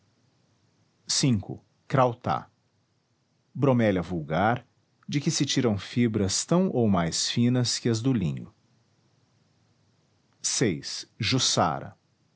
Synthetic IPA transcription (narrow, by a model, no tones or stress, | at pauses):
sĩŋkʊ̰ | kɾawt̪a̰ | bɾomɛlɐvuwɡaɾ | d͡ʒɪkɪsɪt͡ʃiɾɐ̃w̃fibɾɐst̪ɐ̃w̃ʔowmajsfĩnɐskɪɐzd̪ʊlḭ̃ɲʊ̰ | sejsʒusa̰ɾɐ̰